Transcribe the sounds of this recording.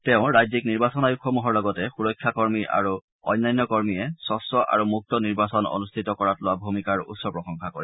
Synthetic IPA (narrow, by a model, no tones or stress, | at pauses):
tɛʊ̃ɹajzikniɹbasɔnajukʰːɔmuɦɔɹlɔɡɔtɛxuɹɔjkʰːjakɔɹmiʔa̰ɹu | ɔ̰jnːajnːɔkɔɹmijɛsɔsɔʔa̰ɹumuk̚tɔniɹbasɔnɔ̰nustʰitɔkɔɹatlʊwabʱumikaɹṵtsɔpɹɔxɔŋkakɔɹɛ